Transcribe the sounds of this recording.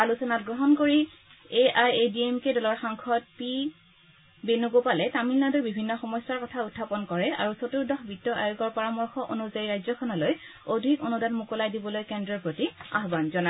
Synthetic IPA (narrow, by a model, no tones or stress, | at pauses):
alusɔnatɡɹɔɦɔnkoɹi | eʔajediemkedɔlɔɹxaŋkʰɔt̚pi | benuɡopalɛtamilːɔdubibʱinːɔxɔmɔsaɹkɔtʰautʰːapɔnkɔɹɛa̰ɹusotuɹdɔxbʱitːɔʔa̰joɡɔɹpaɹamɔɹxɔʔonuzaiɹajzɔkʰɔnɔlojodʱikonudanmukɔlajdibɔlojkɛndɹɔɹpɹotia̰ɦbanzɔna